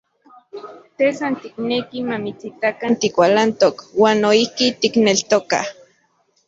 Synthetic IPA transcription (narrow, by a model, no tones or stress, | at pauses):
t̪esant̪iknekimamit͡sit̪akant̪ikʷalant̪okwaːnːoihkit̪iknelt̪oka̰h